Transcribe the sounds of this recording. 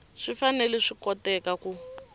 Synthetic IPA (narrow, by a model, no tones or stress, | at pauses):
ʂifanɛlɛʂikɔtɛkaku